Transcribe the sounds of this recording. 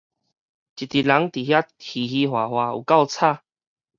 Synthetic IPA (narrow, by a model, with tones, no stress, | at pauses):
t͡ɕi˨t̪i˨la˨˦ŋt̪i˨ɦja˦i˨ɦi˧hwa˨˩hwa˧ṵ˨˩ka˥˧wt͡sʰa˥˧